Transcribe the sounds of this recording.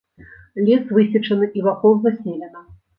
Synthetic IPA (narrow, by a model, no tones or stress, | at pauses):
lʲɛsvɨsʲit͡ʂɐnɨʔivakɔwzɐsʲnʲelʲɛnɐ